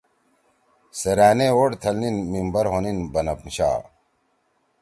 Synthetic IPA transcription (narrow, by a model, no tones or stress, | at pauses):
seɾaːneoɽt̪ʰɐlninmimbɐɾɦoninbɐnɐpɕa̰ː